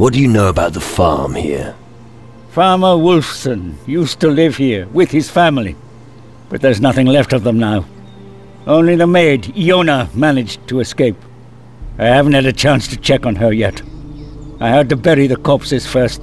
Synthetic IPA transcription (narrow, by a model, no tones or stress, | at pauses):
wʌt̚d̥ɨjɨnoʊəbaʊt̪̚ðəfɑ̰ɹmhḭɹ | fɑɹmə˞wʊlˠfsɨ̃njʉstəlɪv̥hiɹwɪð̥ɨz̥fæ̃ml̩ˠḭ | b̥ʌt̪̚ðə˞znʌθɪ̃ŋlɛftʌvðə̃mnaʊ | ʔõʊ̃nliðəmeɪdiõʊ̃nəmænɨd͡ʒtʰəːskeɪp | aɪhævn̩t̚hɨɾɨt͡ʃʰæ̃nstʰɨt͡ʃʰɛkn̩ə˞jɛt | aɪhɨd̚tɨbɛɹiðɨkʰɔpsɨz̥fɜ˞st